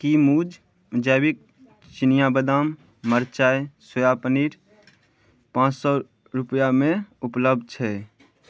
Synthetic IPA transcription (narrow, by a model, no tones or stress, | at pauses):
kimuːd͡ʒ | d͡ʒəːbɪk̚ | t͡ʃɪnijabəd̪aːmː | əɾt͡ʃaːjsəjapəniːɾ | pãːt͡ʃsɔ | ɾʊpjamẽʊpləb̚d̪̚ʱt͡ʃʰɛ